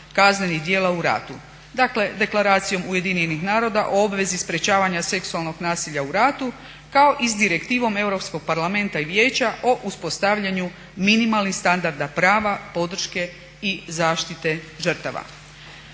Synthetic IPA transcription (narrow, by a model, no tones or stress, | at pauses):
kazne̞niɣd̪je̞ːlauɾa̰ːt̪u | d̪akle̞d̪e̞klaɾaːt̪sijo̞muje̞d̪iɲenixnaːɾo̞d̪aʔo̞obʋe̞zispɾe̞t͡ɕaːʋaɲase̞ksualˠno̞ɡnaːsiʎauɾaːt̪u | kao̞ʔisd̪iɾe̞kt̪iːʋo̞me̞wɾo̞psko̞ɡ̚paɾlˠame̞nt̪aiʋje̞ːt͡ɕaʔo̞ʔuspo̞st̪aʋʎaɲu | minimalˠnixst̪and̪aɾd̪apɾaːʋapo̞d̪r̩ʃke̞ | izaːʃt̪it̪e̞ | ʒr̩t̪aʋa̰